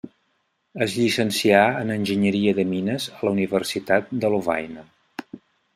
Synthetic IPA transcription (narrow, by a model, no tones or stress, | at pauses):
əzʎisənsiaənənʲʒəɲəɾiəðəminəzələuniβərsit̪at̪̚d̪əlova̰jnə